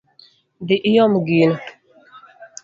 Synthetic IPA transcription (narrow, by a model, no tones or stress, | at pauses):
diʔijɔmɡin